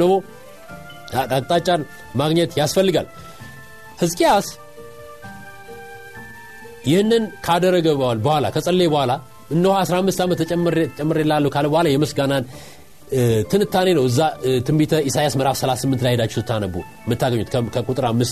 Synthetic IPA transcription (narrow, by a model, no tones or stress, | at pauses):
əmo | at̪ʼakʼt̪ʼat͡ʃʼːaɾ | maɡɲɛt̪jasfəlːɨɡal | hɨzkʼias | jɪhnːɨnkʰad̪ərːəɡəalbəhʷala̰kʰəsʼəlːebəhala | ɨnd̪əhoasɾahamːɨst̪amət̪ːt͡ʃʼɛmːɾt͡ʃʼɛmːəɾelːalːəhkʰaləbəhʷalajɛmɨsɡanan | t̪ʰɨnɨt̪ʰːane̞nəwɨzːat̪ʰɨmbit̪ʰəisajasməɾafsəlasɨmːɨnt̪lajhed̪at͡ʃːɛsɨt̪ʰːanəbːu | mːɨt̪ʰːaɡəɲːut̪kʰkʰəkʼut̪ʼɨɾamːɨst̪